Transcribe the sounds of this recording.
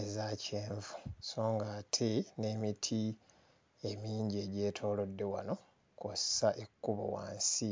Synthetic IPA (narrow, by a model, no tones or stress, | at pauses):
ezaceːɱvu̥so̞ːŋɡaːtʰene̞ːmitʰi | e̞miːɲɟie̞ɟe̞ːtʰo̞ːlo̞dːe̞wa̰no̞ | kossaʔekːuβo̰wa̰ːnsi